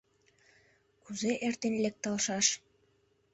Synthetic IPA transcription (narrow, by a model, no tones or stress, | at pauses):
kuzeʔert̪enlʲek̚t̪ɑlʃɑʃ